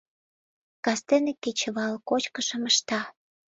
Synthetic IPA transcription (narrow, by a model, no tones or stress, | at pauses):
kɑst̪enekːet͡ɕəβɑlkot͡ɕkəʃə̆məʃt̪ɑ